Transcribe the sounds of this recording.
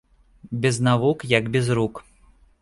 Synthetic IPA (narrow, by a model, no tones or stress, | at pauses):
bʲɛznavukjaɡbʲɛzɾuk